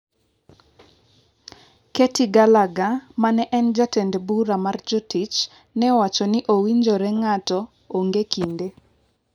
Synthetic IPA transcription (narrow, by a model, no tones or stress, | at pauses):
ketiɡalaɡamanɛʔɛnd͡ʒatɛndbuɾamard͡ʒotit͡ʃ | nɛwat͡ʃɔniʔowiɲd͡ʒoɔɾɛŋatɔː | ŋɡekinde